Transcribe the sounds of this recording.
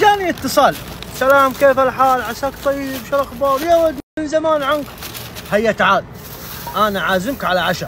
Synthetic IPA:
d͡ʒaːniət̪ːɨsˤɑːl | salaːmkeːfalħaːlʕaʃaːkt̪ˤɑjːbʃalʔaxbɑːɾˤjawad̪ɪnzamaːnʕank | hajːat̪ʕaːd̪̚ | ʔanaʕaːzɪmkʕalaʕaʃa

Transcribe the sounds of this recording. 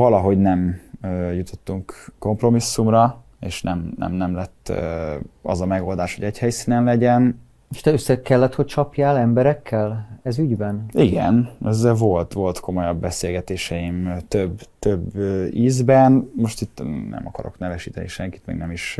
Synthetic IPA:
vɒlɒɦo̞ɟnɛmøjut̪ʰo̞t̪ːuŋkkːo̞mpro̞misːumrɒ | eːʃnɛmnɛ̰mnɛmlɛt̪ː | ɒ̰zɒmɛɡo̞ld̪aːʃho̞̰ɟɛchɛjsiːnɛnlɛɟɛn | oʃt̪ɛøsːɛkːɛlːɛt̪ho̞c̚t͡ʃɒpjaːlɛmbɛɾɛkʰːɛlɛzyɟbɛniɡɛ̰nɛzːɛlvo̞lt̪ʋo̞lt̪kʰo̞mo̞jɒbːɛseːlɡɛt̪eːʃɛjimt̪øbt̪øbiːzbɛnmo̞ʃt̪it̪ːnɛ̰mɒkɒ̰ɾo̞̰knɛvɛʃiːt̪ɛniʃɛŋki̥t̪mɛ̰ɡnɛmiʃ

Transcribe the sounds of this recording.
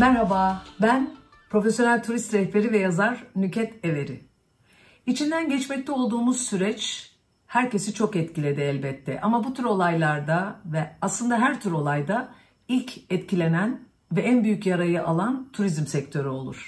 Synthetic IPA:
mæɾɦabaːbæn | pɾo̞fesjo̞nælʲt̪ʰuɾist̪ɾɛlpeɾivɛjazaɾnycʰɛt̪e̞ve̞ɾɪ̰ | it͡ʃʰind̪ænɟɛt͡ʃmɛc̚t̪ʰɛo̞lˠd̪uːmuz̥syɾɛt͡ʃ | hæɾce̞sit͡ʃʰo̞kɛt̪cʰilʲed̪ɛɛlʲbɛt̪ʰːɛ̰ʔamabut̪ʰyɾo̞lˠajlˠaɾd̪avɛaslˠɯnd̪aɦæɾt̪ʰyɾo̞lˠajd̪a | ilʲcʰɛt̪cʰilʲe̞næn | vɛænbyjycjaɾajɯʔalˠant̪ʰuɾizmsɛc̚t̪ʰø̞ɾyo̞lˠṵɾ̥

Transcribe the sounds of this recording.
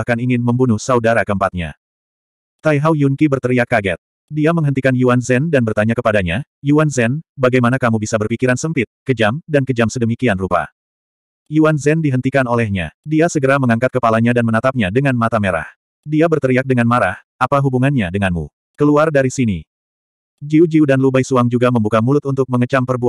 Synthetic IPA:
hkaniŋɪnməmbunuhsaudaɾakəəmpat̪̚ɲa̰ | t̪ajɦawjuŋkibərt̪əɾiakːaɡɛt̪̚ | diaməŋɦənt̪ikanjuanzɛndanbərt̪aɲakəpadaɲajuanzɛnbaɡajmanakamubisabərpikiɾansəmpɪt̪̚kəd͡ʒamdankəd͡ʒamsədəmikianrupa̰ | juanzɛndiɦənt̪ikanolɛhɲa̰diasəɡəɾaməŋaŋkat̪̚kəpalaɲadanmənat̪ap̚ɲadəŋanmat̪ameɾa̰h | diabərt̪əɾiak̚dəŋanmaɾahʔapaɦubuŋanɲadəŋanmṵ | kəluardaɾisini | d͡ʒiud͡ʒiudanlubajsuaŋd͡ʒuɡaməmbukamulʊt̪unt̪ʊk̚məŋət͡ʃampərbua

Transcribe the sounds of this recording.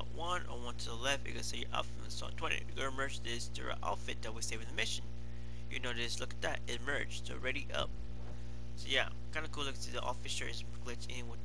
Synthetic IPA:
aʔwʌ̃nə̰˞wʌ̃ntʰɨðəlɛfɨ̰ɡɨsejʔʌ̰pmsɔ̰tʰw̥ɛ̃nḭɡə˞mɜ˞d͡ʒðɪstʰʉ̰ə̰ʔa̰ʊtfɪt̪̚ðɨt̚wiseɪvɪ̃ŋðɨmɪʃɨ̃n | jɨnoʊðɪslʊkɨt̪ðɨ̰ɾɨtmɜ̥˞d͡ʒtʰɨ̰ɹɛɾiʔʌ̰p̚ | soʊjæ | kʰãɪ̃ndɨkʰulʊksiðiʔɔ̰fɨsə˞ɨz | ɡlɪtsɪ̃nwɪ

